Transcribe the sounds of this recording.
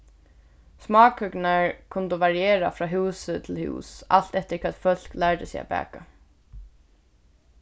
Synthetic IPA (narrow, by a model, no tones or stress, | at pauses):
smɑːkhʏknaɹkʰʊnt̪əʋaɹijeːɾafɾɑːɦuːsət̪ʰɪlhṵːsa̰lt̪ɛht̪əkʰvɛːt̪fœl̥klæɹd̪ɪsɛ̰a̰bæ̰ːka